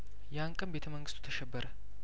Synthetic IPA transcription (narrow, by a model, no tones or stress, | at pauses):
jɛaŋkʼəmbe̞t̪ʰəməŋɡɨst̪ʰʼu̥t̪ʰəʃɛbːəɾə